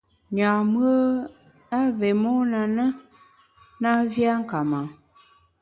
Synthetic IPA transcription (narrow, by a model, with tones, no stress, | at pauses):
ɲ˨a˨mu˦ə˦ | a˦ve˨mo˦nã˨nə˦ | nã˦vi˦a˦ŋ̩˦ka˨mã˨